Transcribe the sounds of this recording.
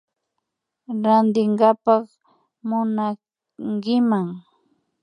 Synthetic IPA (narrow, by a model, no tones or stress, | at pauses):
ɾand̪ɪŋɡapɑχ | mʊna | ŋkɪmaŋ